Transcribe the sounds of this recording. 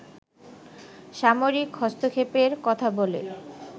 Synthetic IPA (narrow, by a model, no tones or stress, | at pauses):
ʃamoɾikɦɔst̪okʰepeɾkɔt̪ʰabolḛ